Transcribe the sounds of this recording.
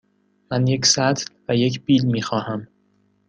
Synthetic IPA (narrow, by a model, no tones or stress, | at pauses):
mænje̞csæt̪ʰlvæje̞cʰb̥iːlmiːxɒːhæm